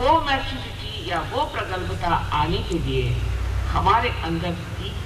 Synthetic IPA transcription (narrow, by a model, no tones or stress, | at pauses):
ɦomɛsusiʈijaɦopɾɐkəlpɐt̪aaːniked̪ijehɐmaːɾeʔɐnd̪əɾ | iː